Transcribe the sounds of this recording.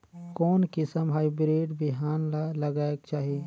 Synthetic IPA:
kɔːnkɪsəmɦaːibɾeːɖbɪɦaːnlɐɡaːeɡ̚t͡ʃaːɦieː

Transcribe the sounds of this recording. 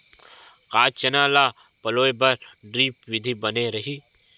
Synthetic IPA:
qaːt͡ʃɐnaːlaː | pɐloːebɐɾɖɾiːpwɪd̪ʱibɐneɾɐɦiː

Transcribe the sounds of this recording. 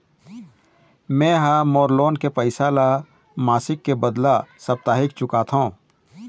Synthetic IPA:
mɛ̃ːɦaːmoːɾloːnkepəɪsala | maːsɪkːebəd̪lasɐb̚t̪aːɦɪkt͡ʃʊkat̪ʰõː

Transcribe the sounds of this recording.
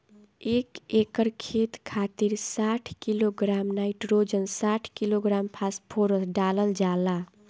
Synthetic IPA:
ekekəɾkʰet̪kʰat̪iɾsaʈʰkiloɡɾamnaiʈɾod͡ʒənsaʈʰkiloɡɾampʰaspʰoɾəsɖaləld͡ʒala

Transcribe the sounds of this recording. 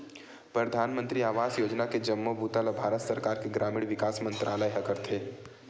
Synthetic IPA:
pɾɐd̪ʱaːnmə̃nt̪ɾiaːʋaːsjoːd͡ʒnaked͡ʒɐmːobʱuːt̪alabʱaːɾət̪sɐɾkaːɾkeɡɾaːmiɽʋɪkaːsmə̃nt̪ɾʔaːləjɦɐkəɾt̪ʰɦeː

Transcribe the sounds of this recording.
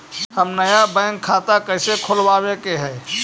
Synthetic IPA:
həmnəjabɛ̃ŋkʰːaːt̪akəɦɪsekʰolwaːwekeɦɛː

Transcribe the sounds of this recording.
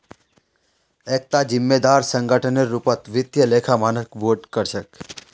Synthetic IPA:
ek̚t̪ad͡ʒɪmːed̪aɾsəŋɡəʈʰəneɾupət̪ʋɪt̪jəlekʰamanəkʋoʈkəɾʃək

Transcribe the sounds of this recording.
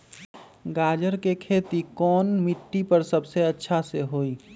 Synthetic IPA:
ɡaːd͡ʒəɾkekʰeːt̪ikɔːnmɪʈːipəɾsəbseɐtːʃʰaseɦoːiː

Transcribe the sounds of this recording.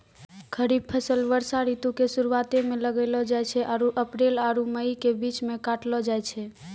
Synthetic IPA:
kʰəɾib̚pʰəsəlʋəɾsaɾit̪ukesuɾuat̪emẽləɡəlɔd͡ʒajt͡ʃʰɛʔaɾuʔəpɾelaɾuməikebit͡ʃmẽkaʈlɔd͡ʒajt͡ʃʰɛ

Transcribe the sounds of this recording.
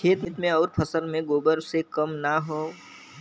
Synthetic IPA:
kʰeːt̪mɪt̪mẽɔːɾpʰəsəlmẽɡoːbəɾsekəmnaɦoː

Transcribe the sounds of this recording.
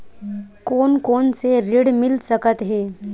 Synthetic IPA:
koːnkonseɾiɽmilsəkət̪ɦe

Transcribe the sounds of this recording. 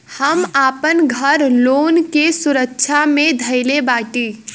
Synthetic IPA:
həmaːpənɡʱəɾloːnkesuɾəkːʃʰamẽd̪ʱəɪlebaːʈi

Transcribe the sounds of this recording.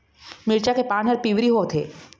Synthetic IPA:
mɪɾt͡ʃakepãːnɦəɾpiʋɾiɦot̪ʰḛː

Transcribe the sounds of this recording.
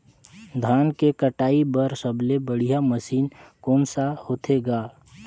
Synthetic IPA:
d̪ʱaːnkekəʈaːibəɾsəblebəɽ̤ijaməsiːnkɔːnsahoːt̪ʰeɡaː

